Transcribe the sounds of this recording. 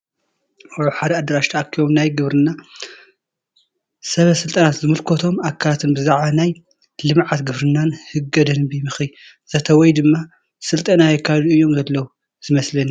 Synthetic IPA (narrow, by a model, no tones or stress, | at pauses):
ɐħad̪ɐad̪ɐɾaʃt̪ʰaʔakʰːijo̞mnajɡɨβɾɨnːa | sɐβɐsɨlt̪ʼɐnat̪zɨmɨlkʰot̪ʰo̞makʰːalat̪ʰɨnbɨzaʕβanaj | lɨmʕat̪ɡɨβɾɨnːanhɨɡːɐd̪ɐnbimɨxi | z̥ɐt̪ʰɐwɔjd̪ɨmːa | sɨlt̪ʼɐnajɛkʰːazuɨjːo̞mzɐlːɐwu | zɨmɐslɐni